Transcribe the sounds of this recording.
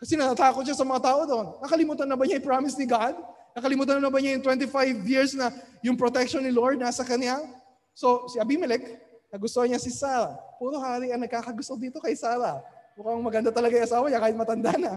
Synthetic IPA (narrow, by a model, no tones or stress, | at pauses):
kɐsɛnɐt̪at̪aːkot̪̚ʃasɐmɐŋat̪aːʔo̞d̪oʔnːɐkɐlɪmuːt̪ɐnːɐbɐɲaɪpɹamɪsnɪɡad̪̚ | nɐkɐlɪmuːt̪ɐnɐnɐbɐɲajʊŋt̪wɛnt̪ifajvjiɹsnɐjʊŋpɾot̪ɛkʃonːɪloɹd̪̚nasɐkɐnja | so̞sɪʔɐbimɪlɛknɐɡʊst̪ohɐɲasɪsaːɾɐpuːɾohaːɾiɐŋnɐɡ̚kaːkɐɡʊst̪od̪iːt̪o̞kɐjsaːɾɐmʊkɐŋmɐɡɐnd̪at̪ɐlɐɡajʔɐsaːwɐɲakaːhɪt̪mɐt̪ɐnd̪a̰nɐ